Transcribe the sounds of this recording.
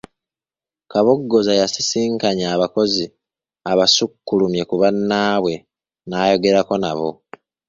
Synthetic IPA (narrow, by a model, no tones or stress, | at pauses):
kaβo̞ɡːo̞zajasisiːŋkaɲaːβako̞zi | aβasukːulumje̞kuβanːaːβwe̞ | naːjo̞ɡe̞ɾako̞naβo̞̰